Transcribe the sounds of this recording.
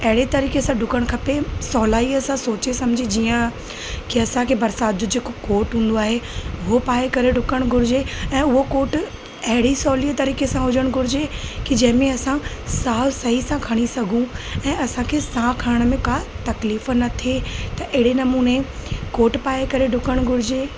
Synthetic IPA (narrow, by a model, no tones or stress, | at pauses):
ɐɦɪɽet̪ɐɾiːkesãɖʱʊkəɽ̃kʰɐpesɔːlaːiɐsãsoːt͡ɕesɐmd͡ʑʱid͡ʑiːə̃ | kiɐsãkʰebɐɾsaːt̪̚d͡ʑʊd͡ʑeːkokoːʈɦũːn̆d̪oaːɦeʊɦopaːekɐɾeɖʱʊkəɽ̃ɡʱʊɾɪd͡ʑeɛ̃ːʊɦokoːʈ | ɐɦɪɽisɔːliːət̪ɐɾiːkesãɦʊd͡ʑəɽ̃ɡʱʊɾɪd͡ʑekid͡ʑɐ̃ɦɪ̃mẽɐsãsaːsɐɦisãkʰɐɽ̃isɐɡʱũɛ̃ːɐsãkʰesãkʰaɾəɽ̃mẽkat̪ɐkliːf̆nɐt̪ʰet̪ɐʔɪɦɪɽenɐmuːnekoːʈpaːekɐɾeɖʱʊkəɽ̃ɡʱʊɾɪd͡ʑeː